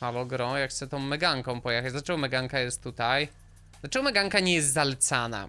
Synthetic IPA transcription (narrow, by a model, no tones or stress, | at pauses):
alɔɡɾɔ̃jakxt̪sɛt̪ɔ̃w̃mɛɡaŋkɔ̃w̃pɔjɛxad͡ʑd̪lat͡ʂɛɡɔmɛɡaŋkajɛst̪ːut̪aj | d̪lat͡ʂɛɡɔmɛɡaŋkaɲɛjɛst̪zalɛt̪sana̰